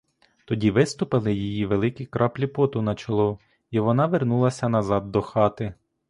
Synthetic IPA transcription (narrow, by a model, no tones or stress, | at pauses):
t̪ɔdʲiʋɪst̪ʊpɪlˠɪjijiʋelˠɪkɪkɾʔɑplʲipɔt̪ʊnɐt͡ʃɐlˠɔ | iʋɔnɑʋernulˠɐsʲɐnɐzɑd̪ːɔxɑt̪ɪ